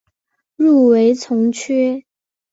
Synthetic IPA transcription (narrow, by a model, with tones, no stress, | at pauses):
ɻu˥˩we˧˥ɪt͡sʰʊ˧˥ŋt͡ɕʰɛ˥